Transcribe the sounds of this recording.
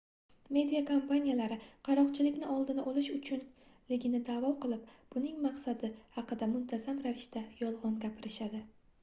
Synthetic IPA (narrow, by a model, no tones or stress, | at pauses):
me̞d̪ijakʰompanʲijalaɾɪqʰɑɾɒqt͡ʃʰɪlɪkʲnɪɒlˠd̪ɪnɪʔɒlɪʃʊt͡ʃʰʊnleɡʲɪnɪd̪aːvɒqɨlˠɪpb̥ʊnɪŋmɑqsad̪ɪhɑqɨd̪amʊnt̪ʰazamɾavɪʃt̪ajɒlˠʁɒnɡʲapʰɪɾɪʃad̪ɪ